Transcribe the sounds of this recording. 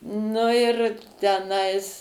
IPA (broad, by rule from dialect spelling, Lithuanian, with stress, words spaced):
ˈnʊ ɪr tʲɛˈnɐɪs